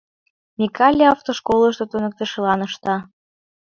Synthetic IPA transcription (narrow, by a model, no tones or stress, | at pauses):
mʲikɑlʲiɑft̪oʃkoləʃt̪ot̪unə̆k̚t̪ə̆ʃə̆lɑnəʃt̪ɑ